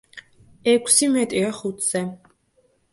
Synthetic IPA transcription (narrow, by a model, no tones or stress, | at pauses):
ɛkʰsimɛt̪ʼiaχut̪ʰz̥ɛ